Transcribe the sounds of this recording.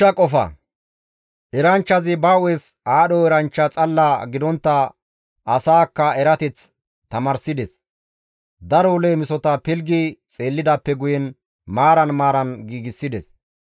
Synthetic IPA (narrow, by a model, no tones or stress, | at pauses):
ɐkʼɔfɐ̰ | ɛɾɐnt͡ʃːɐzɪbawesaːɗɔɛɾɐnt͡ʃːɐt͡sʼɐlːɐɡɪd̪ɔnt̪ːɐ | ɐsaːkːɐɛɾɐt̪ɛt͡s | t̪ɐmɐːɾsɪd̪ɛs | d̪ɐɾɔleːmɪsɔt̪ɐpɪlɡit͡sʼe̞ːlːɪd̪ɐpːɛɡʊjɛn | maːɾɐnmaːɾɐnɡiːɡɪsːɪd̪ɛs